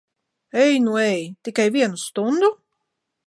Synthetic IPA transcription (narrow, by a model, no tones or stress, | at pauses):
ɛjnuɛjt̪ikajviɛnust̪und̪u